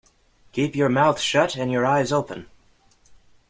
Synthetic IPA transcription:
kʰipjə˞maʊθʃʌɾɨ̃njə˞aɪzoʊpə̃n

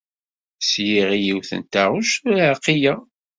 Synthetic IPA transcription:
sjiʁijiwθə̰nt̪aʁʊʃqːija

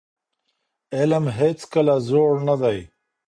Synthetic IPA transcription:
eləmɦeːt͡skəlazoːɽnad̪aj

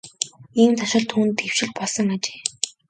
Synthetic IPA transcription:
iːmt͡s̪ʰaʃɞ̆ɮt̪ʰuːnt̪ew̥ʃɪ̆ɮpɔɮsɞ̆ŋat͡ɕe̥ː

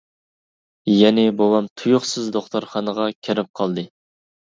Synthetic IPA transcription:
jɛnɪbowɑmt̪ʰujuχsɨzd̪oχt̪oɾχɑnəʁɑkʲʰeɾɪp̚qʰɑlˠd̪ɨ

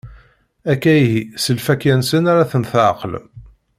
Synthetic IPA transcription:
ækːæjɦisəlfækːænsənaɾaθəmθʕəql

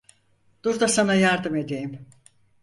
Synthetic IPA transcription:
d̪̥uɾd̪asanajaɾd̪ɯme̞d̪e̞jim

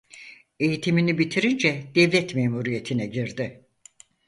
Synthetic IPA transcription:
e̞jit̪ʰiminibit̪ʰiɾind͡ʒɛd̪̥ɛvlʲɛt̪meːmuɾije̞t̪ʰinɛɟiɾd̪ɪ

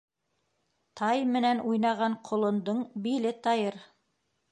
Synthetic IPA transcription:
t̪ʰɑjmɘ̆nænʔujnɑʁɑɴqʰŏlˠŏnd̪ɤɴbilɘt̪ɑjɤɾ

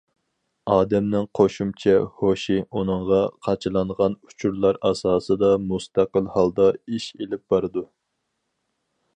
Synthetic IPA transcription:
ɑːd̪ɛmnɪŋqʰoʃumt͡ʃʰɛhoʃiunɨŋʁɑqʰɑt͡ʃʰɨlˠɑɴʁɑnu̥t͡ʃʰuɾlˠɑɾɑsɑːsɨd̪ɑmust̪æqəlˠhɑlˠd̪ɑiʃelɪp̚b̥ɑɾɨd̪u

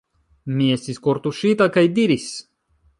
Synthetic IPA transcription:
mʲiɛsʲt̪ʲiskɔɾt̪uʃit̪akajd̪iɾis

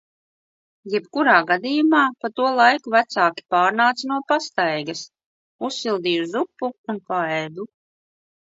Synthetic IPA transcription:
jɛbkuɾaːɡad̪iːjumaːpat̪uɔlˠajkuvæt̪saːkʲi̥paːɾnaːt̪snuɔpast̪ajɡɐs | usːilˠd̪iːʒuzupːuːnpaɛːd̪u

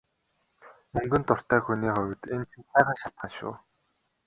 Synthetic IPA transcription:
ɵŋɡɵ̆nt̪ʊr̥t̪æːxuniːχɔw̆ʲt̪ent͡ɕʰĭnsæːʁə̆nʃaɬt̪̚ɢaʃʊ̰ː

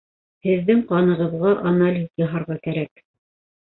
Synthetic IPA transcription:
hɘ̆ðːɘŋqɑnɤ̆ʁɤ̆ðʁɑʔanalʲizjɑɦɑɾʁɑkæɾæk

